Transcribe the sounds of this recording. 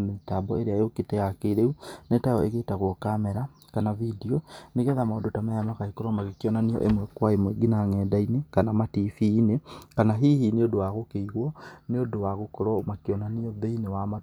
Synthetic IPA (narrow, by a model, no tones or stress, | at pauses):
meitabɔeɾeajoketɛɣakeɾeunetaɔeɣetaɣwɔkamɛɾa | kanavidioneɣɛðamaodotamajamakaikoɾɔmaɣekjɔnaniɔ̰ʔemwɛkwaemweɡinaŋɛdainekanamatifiːnekanaɦihineodowaɣokeiɣwɔneodowaɣokoɾɔmakjɔnaniɔðeinewama